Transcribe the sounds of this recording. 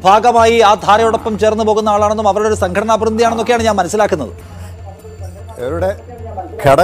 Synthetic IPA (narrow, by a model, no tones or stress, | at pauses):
bʱaːɡɐmaːjiaːd̪ʱaːɾɐjuɽopːɐmt͡ɕe̞ːrnːupo̞ːɣunːɐaːɭaːɳe̞nːumɐʋɐɾuɽeo̞ɾusɐŋɡʰʱɐɽɐnaːbrund̪ijaːɳenːo̞kːejaːɳɨɲaːnmɐnɐsːilaːkːunːɐðɨ̰ | eʋiɽe | kʰeɽɐ